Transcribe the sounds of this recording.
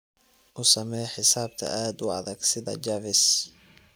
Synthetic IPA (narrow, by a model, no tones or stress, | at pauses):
ʔʊsɐmɛjħɪsaːb̚t̪ʰɐ̰ʔaːd̪ʊɑ̰ðɐɡsɪðɐ̰d͡ʒavɪs